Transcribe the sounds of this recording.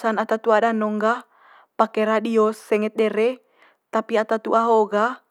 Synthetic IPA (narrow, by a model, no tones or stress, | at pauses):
sanat̪at̪uadanɔŋɡa | pakɛɾadiɔsːɛŋɛt̪̚ɗɛɾɛ | t̪apiat̪at̪uaɦoɡa